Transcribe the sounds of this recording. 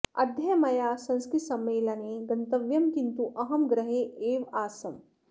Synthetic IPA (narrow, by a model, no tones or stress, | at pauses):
ɐ̰d̪ʱjɐjɐmɐjaːsɐ̃nskɾit̪sɐmeːlɐneːɡɐnt̪ɐʋjɐmkint̪uʔɐɦɐmɡɾɐɦeːeːʋaːsɐm